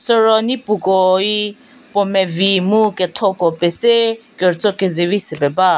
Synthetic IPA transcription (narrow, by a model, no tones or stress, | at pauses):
sɔɾɔnipukɔi | pɔmɛvimukɛt̪ʰɔkɔpɛsekɛɾt͡sɔked͡zevisɪpɛba